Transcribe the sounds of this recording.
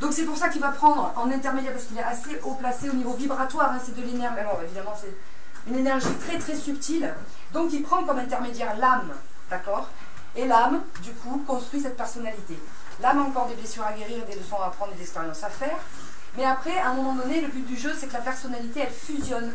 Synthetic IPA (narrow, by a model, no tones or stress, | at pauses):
d̪ɔ̃ksɛpuʁsakilvapχɑ̃d̪ʁɑ̃nɛ̃t̪ɛʁmed̪jɛʁpaʁskilɛaseʔoplaseonivovibʁat̪waːʁɛ̃sɛd̪əlenɛʁalɔʁevid̪amɑ̃sɛ | ynenɛʁʒit̪χɛt̪χɛsypt̪il | d̪ɔ̃kilpχɑ̃kɔmɛ̃t̪ɛʁmed̪jɛʁlam | d̪̥akɔʁ | elam | d̪ykʰukɔ̃st̪χɥis̬ɛt̪pɛʁsɔnalit̪e | lamɑ̃kɔʁd̪eblesyʁaɡeʁiʁed̪eləsɔ̃apχɑ̃d̪ʁed̪zɛkspeʁjɑ̃safɛːʁ | mɛapχɛɛ̃ɛmɔmɑ̃d̪ɔneləbyt̪̚d̪yʒøsɛkəlapɛʁsɔnalit̪eɛlfyzjɔn